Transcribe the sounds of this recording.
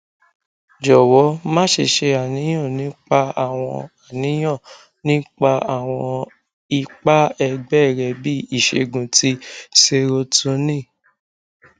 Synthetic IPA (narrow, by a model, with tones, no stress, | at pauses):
d͡ʒɔ˨wɔ˨˦mãː˦ʃe˧˨ʃe˧a˨nĩ˨˦j̃ɔ̃˦˨nĩ˨˦k͡pa˧a˨w̃ɔ̰̃˧a˨nĩ˨˦j̃ɔ̃˦˨ | nĩ˦k͡pa˧a˦˨w̃ɔ̃˧ | i˧k͡pa˦ɛ˧ɡ͡bɛ˦˨ɾɛ˧bi˦i˦˨ʃḛ˧ɡũ˨tʰi˧˦se˧ɾo˧tu˧˦nĩ˦˨